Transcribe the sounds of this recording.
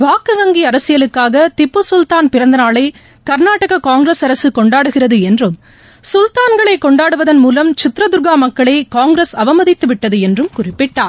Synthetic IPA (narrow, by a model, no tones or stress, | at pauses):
ʋaːkɯʋɐŋɡiɐɾɐsɪjɐlɯkːaːɣɐt̪ɪpːɯsʊlt̪aːnpɪɾɐnd̪ɐnaːɭɐɪ | kɐɾnaːʈɐɣɐkaːŋɡɾeːsɐɾɐsɯkɔɳɖaːɽɯɣɪrɐðɯɛndrɯm | sʊlt̪aːnɡɐɭɐɪkːɔɳɖaːɽɯʋɐðɐnmuːlɐmt͡ʃɪt̪ɾɐd̪ʊɾɣaːmɐkːɐɭɐɪkaːŋɡɾeːsɐʋɐmɐðɪt̪ːɯʋɪʈːɐðɯɛndrɯmkʊrɪpːɪʈːaːɾ